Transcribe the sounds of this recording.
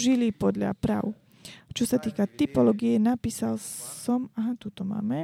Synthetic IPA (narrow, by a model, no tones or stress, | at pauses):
ʒilipɔd̪ʎa̰pɾa̰ːʊ | t͡ʃɔsat̪iːkat̪ipɔlɔːɡiɛnapiːsalsɔmaɦat̪ut̪ɔma̰ːmɛ